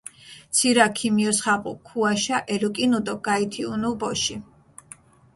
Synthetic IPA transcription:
t̪sʰiɾakʰimiɔsχaqʼṵkʰuaʃaʔɛlukʼinud̪ɔɡait̪ʰiunubɔʃi

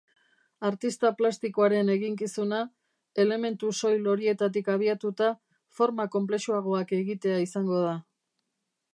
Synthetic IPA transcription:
aɾt̪ist̪aplast̪iko̞aɾe̞ne̞ɣiŋkisuna | e̞le̞me̞nt̪uso̞jlo̞ɾie̞t̪at̪ikaβ̞iat̪ut̪a | fo̞ɾmako̞mple̞ʃuaɣ̞o̞ake̞ɣit̪e̞aisaŋɡo̞ð̞a

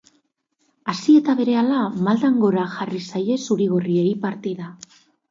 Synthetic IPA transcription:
asie̞t̪aβe̞ɾe̞alamald̪aŋɡo̞ɾaxarisaje̞suɾiɣorie̞ipaɾt̪iða

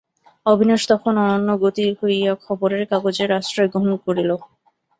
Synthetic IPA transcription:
obʱinaʃt̪ɔkʰonɔnanːoɡot̪iɾhoiakʰɔboɾeɾkaɡod͡ʑeɾːaʃʈɾaeɡɾoɦonkoɾilo

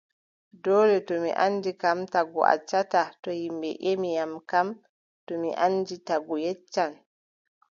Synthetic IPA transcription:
dɔdɛtɔmḭʔanːd͡ʒikamtaɡɔ̰a̰t͡ʃːatatɔhimbɛ̰ʔemijamkam | tɔmḭʔanːd͡ʒitaɡɔjɛt͡ʃːan

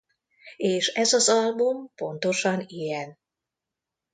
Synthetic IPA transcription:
eːʃɛzɒzɒlbumpo̞nt̪o̞ʃɒnijɛn

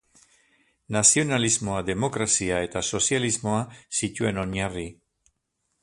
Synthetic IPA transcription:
nasio̞nalizmo̞aðe̞mo̞kɾasiae̞t̪aso̞sijalizmo̞asitueno̞ɲari

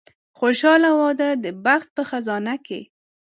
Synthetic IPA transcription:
xoʃɑlawɑd̪ad̪əbaxt̪̚pəxazɑnake

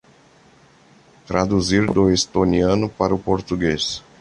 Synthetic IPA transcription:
t̪ɾad̪uziɾd̪oest̪oniɐ̃nʊpaɾʊpoɾt̪uɡes

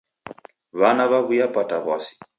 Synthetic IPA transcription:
βanaβaβujapataβɔsi̥

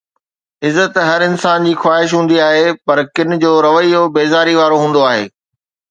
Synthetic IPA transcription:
ɪzət̪ɦɐɾɪnsaːnd͡ʑiːxwaːɦɪʃ̬ɦũːn̆d̪iaːɦepɐɾkɪnɪ̆d͡ʑoːɾɐʋəijobeːzaːɾiʋaːɾoɦũːn̆d̪oaːɦḛː

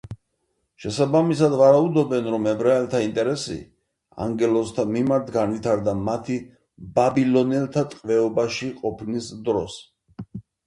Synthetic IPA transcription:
ʃɛsabamis̬ad̪vaɾaud̪ɔbɛnɾɔmɛbɾaɛlt̪ʰaint̪ʼɛɾɛsḭ | a̰ŋɡɛlɔst̪ʰamimaɾt̪ʰɡanvit̪ʰaɾd̪amat̪ʰi | babilɔnɛlˠt̪ʰat̪ʼqʼvɛɔbaʃiqʼɔpʰnisd̪ɾɔs

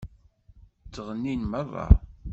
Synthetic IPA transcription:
t͡sːəʁənːinmævæ̰

